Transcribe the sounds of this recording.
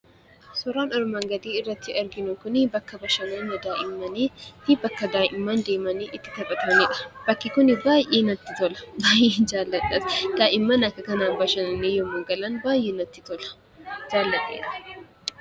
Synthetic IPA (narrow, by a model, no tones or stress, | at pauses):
sɔɾaːnɔɾmaŋɡɐd̪iːɪrːɐt̪ːɪɐɾɡɪnokʊnɪbɐkːɐbɐʃɐnonːɐd̪aːʔɪmːɐnet̪ɪbɐkːɐd̪aːʔɪmːɐnd̪eːmɐneʔɪt̪ːɪ̥t̪ɐbʼɐt̪ʰɐneb̥ɐkːɪkʊnɪbaːjeːnɐt̪ːɪt̪ɔlɐ̥baːjeːnd͡ʒaːlːɐt̪ʼːɐsd̪̥aːʔɪmːɐnɐkɐkɐnaːbɐʃɐnɐnejɔmoɡɐlɐnbaːjɛnɐt̪ːɪt̪ɔlɐ̥ | d͡ʒaːlːɐt̪ʼḛːn